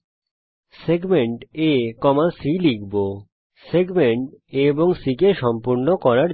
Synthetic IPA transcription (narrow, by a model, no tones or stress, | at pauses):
seɡmeɳʈekɔmasilikbo | seɡmeɳʈeboŋsikeʃɔmpuɾnokɔɾaɾ